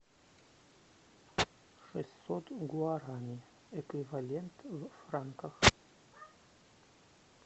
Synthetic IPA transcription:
ʂɛsʲsot̪ɡuaɾamʲi | ɛkvʲivalʲent̪vfraŋkəx

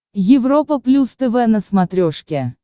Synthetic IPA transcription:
jɪvropəplʲust̪ɛvɛnəsmɐt̪ɾʲoʂkʲe

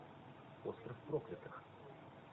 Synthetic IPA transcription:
ost̪ɾəfpɾoklʲɪt̪ɨx

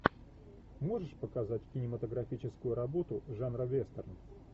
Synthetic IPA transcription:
mo̞ʐɨʂpəkɐzatʲkʲɪnʲɪmət̪əɡɾɐfʲit͡ɕɪskʊjʊɾɐbo̞t̪ʊʐanɾəvʲest̪ərn

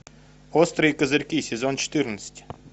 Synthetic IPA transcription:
ɔst̪ɾɨjikɐzɪɾʲkʲisʲezɔnt͡ʃɔ̥t̪ɪrnəsʲə̥tʲ

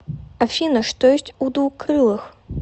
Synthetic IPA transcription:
ɐfʲinɐʂt̪ɔjɔsʲt͡sʲud̪vuxkɾɨlˠɨx

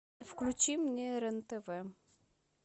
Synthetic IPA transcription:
fklʲut͡ʃimnʲeɾɛnt̪ɛvɛ

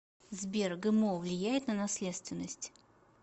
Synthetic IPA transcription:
zbʲerɡɨmovlʲɪjæjɪt̪nənɐsʲlʲet̪st̪vʲɪnːəsʲtʲ

